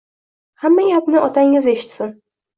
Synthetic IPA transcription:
hamːajʲapnɪɒt̪ʰaŋɪze̞ʃɪ̥t̪sɪn

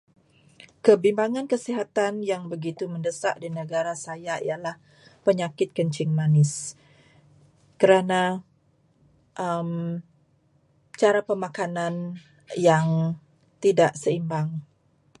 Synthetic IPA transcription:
kəbimbaŋankəsiɦat̪anjaŋbəɡit̪uməndəsaʔdinəɡaɾasajaḭjalah | pəɲakɪt̪̚kəɲt͡ʃɪŋmanɪs | kəɾana | ʔəm | t͡ʃaɾapəmakanan | jaŋ | t̪idaʔsəimbaŋ

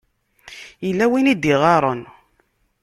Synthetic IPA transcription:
jəlːæwinid̪iʁɑɾˤən

